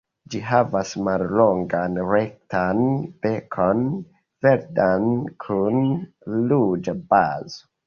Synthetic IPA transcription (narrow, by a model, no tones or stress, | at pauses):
d͡ʒiɦavasmallo̞ŋɡanɾek̚tʰanb̥ekʰon | veɾdankʰun | lud͡ʒabazo